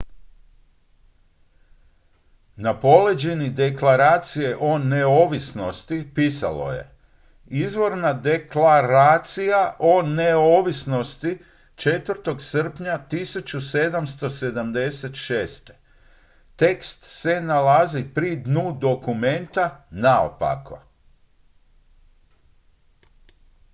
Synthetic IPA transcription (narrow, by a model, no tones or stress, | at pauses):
napo̞led͡ʑenid̪e̞klaɾaːt̪sije̞ʔo̞neo̞ːʋisno̞st̪ipiːsa̰lo̞̰je̞̰ | izʋo̞ɾnad̪eklaɾaːt̪sijaʔo̞neo̞ːʋisno̞st̪i | t͡ʃe̞t̪ʋəɾt̪o̞ɡsr̩pɲat̪isut͡ɕused̪amst̪o̞se̞d̪amd̪e̞set̪ʃeːst̪e̥ | t̪e̞kst̪se̞nalazipɾid̪nud̪o̞kume̞nt̪anao̰pa̰ko̰